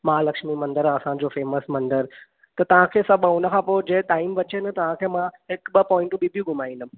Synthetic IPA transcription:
maalɐkʃmimɐ̃nd̪əɾɐsãd͡ʑofeːməsmɐ̃nd̪əɾ | t̪ɐt̪ɐʋ̤ãkʰeːsɐbəʊnəkʰãpoːd͡ʑeːʈaːimʋɐt͡ɕenɐt̪ɐʋ̤ãkʰeːmãɦɪkɓɐpɔːɪ̃ɳʈũbʱibʱiɡʱʊmaːĩnd̪ʊ

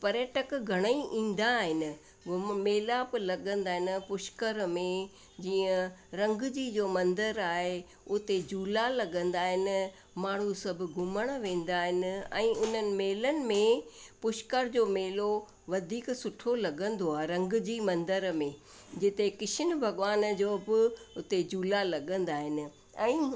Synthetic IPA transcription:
pɐɾjəʈəkɡʱɐɽ̃əiʔĩːn̆d̪aɦɪnɪ̆ | ɡʊmeːlaplɐɠə̃nd̪aːɦɪnɪpʊʃkəɾmẽ | d͡ʑiːə̃ɾɐ̃ŋɡd͡ʑiːd͡ʑoːmɐ̃nd̪əɾaːɦe | ʊt̪ed͡ʑuːlalɐɠə̃nd̪aːɦɪnɪ̆ | maːɳ̤usɐbʱʊɡʱʊməɽ̃ʋẽːnd̪aːɦɪnɪ̆ɛ̰̃ːʊn̤ənɪ̆meːlənɪ̆mẽpʊʃkəɾd͡ʑoːmeːlo | ʋɐd̪ʱiːksʊʈʰolɐɠə̃nd̪oaːɦeɾɐ̃ŋɡd͡ʑimɐ̃nd̪əɾmẽ | d͡ʑɪt̪ekɪʃʰɪn̆bʱɐɠʋaːnd͡ʑoːbɪʊt̪ed͡ʑuːlalɐɠə̃nd̪aːɦɪnɪ̆ | ɛ̃ː

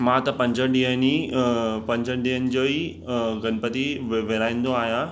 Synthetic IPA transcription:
mãt̪ɐpɐ̃ɲd͡ʑʱəɗiːɦənipɐ̃ɲd͡ʑʱəɖiɦənɪ̆d͡ʑoːi | ɡɐnpət̪iʋʋeɾaːĩnd̪oaːɦjã

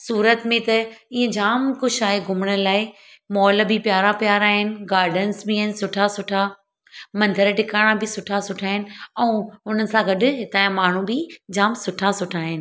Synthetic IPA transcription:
suːɾət̪mẽt̪ɐiːə̃d͡ʑaːmkʊʃaːɦeɡʱʊməɽ̃əlaːɪ | mɔːlbʱɪpjaːɾapjaːɾaːɦɪnɪ̆ɡaːɾɖənsbiaːɦɪnɪsʊʈʰasʊʈʰa | mɐ̃nd̪ʱəɾʈɪkaːɽ̃abʱɪsʊʈʰasʊʈʰaːɦɪnɪ̆ɛ̃ːʊn̤ənɪ̆sãɡɐɗʊ̆ɦɪt̪aːjãmaːɳ̤ũbʱɪd͡ʑaːmsʊʈʰasʊʈʰaːɦɪnɪ̆

